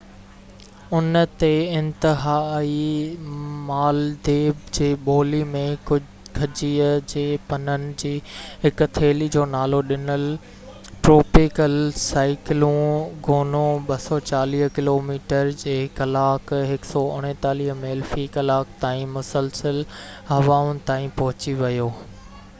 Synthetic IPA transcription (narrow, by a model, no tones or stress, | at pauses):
ʊnt̪eɪ̃nt̪ɪɦaːi | maːld̪eːbd͡ʑeːɓoːlimẽkʊ | kʰɐd͡ʑiːəd͡ʑeːpɐnənɪ̆d͡ʑiːɦɪkʊ̆t̪ʰeːlid͡ʑoːnaːloɗɪnəl | ʈɾoːpɪkəlsaːɪkɪlũɡʱoːnõɓɐsɔt͡ɕaːliːɦkɪloːmiːʈəɾd͡ʑeːkɐlaːkɦɪksɔʊɽ̃ẽt̪aːliːɦmeːlfikɐlaːkt̪aːĩmʊsəlsəlɦɐʋaːʊnɪ̆t̪aːĩpɐɦʊt͡ɕiʋɐjoː